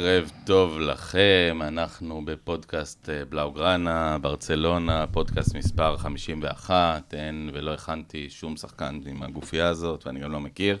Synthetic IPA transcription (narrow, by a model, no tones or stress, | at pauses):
ʁevt̪o̞vla̰χemanaχnube̞po̞dkast̪eblawɡʁanabaʁt͡se̞lo̞napo̞dkast̪mispaʁχamiʃimveaχat̪e̞nvelo̞eχantiʃumsaχkanimaɡufijaːzo̞tveaniɡamlo̞mekiʁ